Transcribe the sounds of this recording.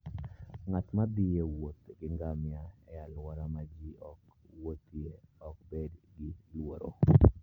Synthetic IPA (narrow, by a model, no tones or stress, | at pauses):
ŋat̪mabijewot̪ɡɪŋɡamjaɛ̰jalwɔɾamad͡ʒiɔk | wot̪ieɔk̚bedɡɪlwoɾo̰